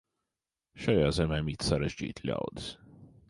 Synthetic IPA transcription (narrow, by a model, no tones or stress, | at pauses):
ʃajaːzɛmʲɛːmit̪saɾeʒd͡ʒḭːt̪lʲa̰wd̪ɨ̥s